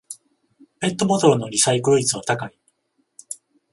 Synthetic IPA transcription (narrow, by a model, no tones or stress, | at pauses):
pe̞t̪ːo̞bo̞t̪o̞ɾɯ̟no̞ɾʲisaikɯɾoit͡sɨβat̪akai